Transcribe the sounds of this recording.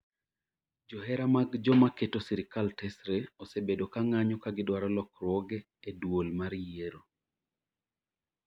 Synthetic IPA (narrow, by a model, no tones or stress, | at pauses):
d͡ʒɔɦɛɾamaɡd͡ʒɔmaketosiɾɪkaltɛsɾeɔsebedokaŋaɲɔkaɡɪdwaɾɔlɔkɾwɔɡɛː | dwolmaɾjeɾo